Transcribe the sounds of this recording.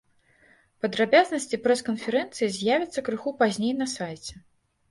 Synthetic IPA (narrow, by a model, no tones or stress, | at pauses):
pɐd̪ɾabʲaznɐsʲt͡sʲipɾɛskɐnfʲɛɾɛnt̪sɨjizʲjavʲit̪sːɐkɾɨxupazʲnʲejnɐsajt͡sʲɛ